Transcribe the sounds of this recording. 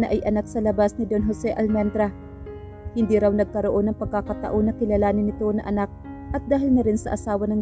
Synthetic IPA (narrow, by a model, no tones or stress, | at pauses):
nɐʔɐjʔɐnak̚sɐlɐbasnɪd̪onɦosɛʔɐlmɛnd̪ɾa | hɪnd̪iɾawnɐɡ̚kɐɾoʔo̞nɐŋpɐɡ̚kakɐt̪ɐ̰ʔonːɐkɪlalaːnɪnɪt̪onɐʔɐnak̚ʔɐt̪̚d̪aːɦɪlnɐɾɪnsɐʔɐsaːwɐnɐŋ